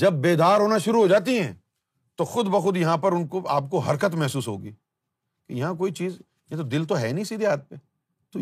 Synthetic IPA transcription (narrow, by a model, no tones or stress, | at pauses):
d͡ʒɐbːeːd̪aːɾɦoːnaʃʊɾuɦoːd͡ʒaːt̪̬iɦɛ̃ː | t̪oxʊd̪bɐxʊd̪jɐɦãpɐɾʊnkoa̰ːp̚koɦɐɾkət̪mɛɦsuːsɦo̰ːɡiː | kejɐɦãk̬oːit͡ʃiːz | jãt̪od̪ɪlt̪oɦɛːnĩsiːd̪eɦaːt̪̚pe | t̪o